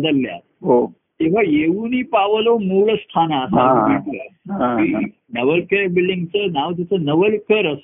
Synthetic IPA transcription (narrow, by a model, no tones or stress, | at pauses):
bəd̪əlːja̰t̪ɦo | t̪iʋ̤ajeʋuniːpaʋəlomuɭəst̪ʰanaəsabiʈəaiː | nəʋəlkəɾbilɖiŋɡt͡sənaʋt̪at͡sənəʋəlkəɾəs